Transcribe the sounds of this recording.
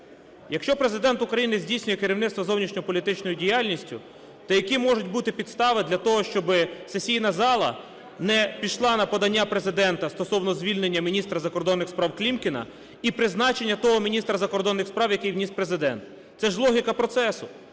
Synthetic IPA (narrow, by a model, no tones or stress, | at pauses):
jɐkʃt͡ʃɔpɾezɪd̪ɛnt̪ʊkɾɐjinɪzʲdʲijsʲnʲʊjɛkɪɾʲiwnɪt̪st̪ʋɔzɔwnʲiʃnʲɔjpɔlʲit̪ɪt͡ʃnɔjʊdʲijɑlʲnʲisʲtʲʊ̰ | t̪ɐjɐkimɔʒʊtʲbut̪ɪpʲid̪st̪ɑʋɪd̪lʲɐt̪ɔɦɔʃt͡ʃɔbɪsesʲijnɐzɑlˠɐ̰ | nɛpʲiʃlˠɑnɐpɔd̪ɐnʲːapɾezɪd̪ɛnt̪ɐst̪ɔsɔwnɔzʲʋʲilʲnenʲːɐmʲinʲist̪ɾɐzɐkɔrd̪ɔnːɪxspɾɑwklʲimkʲɪnɐ̰ | ipɾɪznɑt͡ʃenʲːɐt̪ɔɦɔmʲinʲist̪ɾɐzɐkɔrd̪ɔnːɪxspɾɑwjɐkɪjwnʲispɾezɪd̪ɛ̰nt̪ | sɛʒlˠɔɦʲikɐpɾɔt̪sɛsʊ